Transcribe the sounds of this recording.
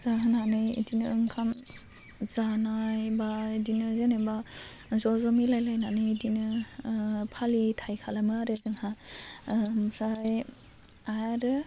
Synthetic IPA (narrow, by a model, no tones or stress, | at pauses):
zaɦɯnanɯḭdinɯɯŋkʰam | zanajbaidinɯzeneba | zɔzɔmilajlajnanɯdinɯ | pʰalitʰajkʰalamɯaɾedɯŋha | ɾaj | ajaɾɯ